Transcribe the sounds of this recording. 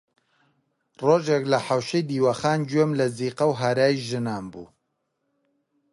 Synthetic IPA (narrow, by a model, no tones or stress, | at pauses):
roːʒeklɐħawʃejd̪iːwɐxaːnd͡ʒwemlɐziːqɐwɦaɾaːjiʒɨnaːmbṵː